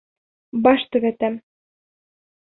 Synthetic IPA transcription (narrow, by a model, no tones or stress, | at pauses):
bɑʃt̪ɘ̆βɘ̆t̪æm